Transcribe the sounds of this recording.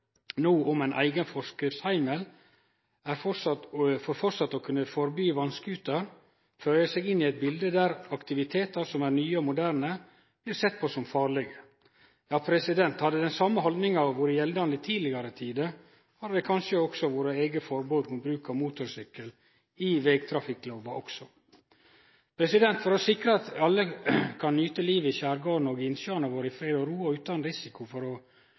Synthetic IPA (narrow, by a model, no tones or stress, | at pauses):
noːʔɔmæɪnʔæ̰ɪɡənfɔʂkɾɪftshæɪməl | æɾfɔsɑfɔɾfɔɾsɑt̪ːɔkʰʉnːəfɔɾbyːʋɑnskəʉːt̪əɾ | føːəsɛɡɪnːɪæɪt̪̚bɪld̪əd̪æɾɑkt̪ɪʋɪt̪ʰeːt̪ɑɾsɔmæɾnyːəɔmʊd̪æːɾnə | b̥liːɾsɛt̪̚ːpʰɔsɔmfɑːɾɭɛɡə | jɑːpʰɾɛsɪd̪ɛnt̪hɑd̪əd̪ɛnsɑmːəɦɔld̪nɪŋɑʋʋʊɾjɛld̪ɑnɪt̪ʰiːlɪɡɑɾət̪ʰiːd̪ə | hɑd̪d̪ɛkʰɑnʂəɔɡsɔʋoːɾəeːɡəfɔɾboːd̪mʊbɾʉːkɑmuːt̪ʊɾsʏkːəl | ɪʋɛɡt̪ʰɾɑfɪkːloːʋɑʔɔksɔ | pʰɾɛsɪd̪ɛnt̪fɔɾɔsɪkɾəɑt̪ɑlːəkʰɑnːyːt̪əliːʋəɪçæːɾɡoːɳoɡɪnsøɑnəʋoːɾəɪfɾeːd̪ɔɾuːɑʉːt̪ɑnɾɪsɪkʰʊfɔɾɔ